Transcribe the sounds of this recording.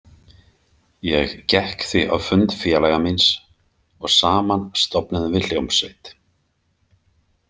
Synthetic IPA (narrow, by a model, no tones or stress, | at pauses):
jɛɣcɛhkθiʔa̰vfʏnt̪fjɛlajɣamins | ɔɣsaːmanst̪ɔpnaðʏvɪluwmseːjt̪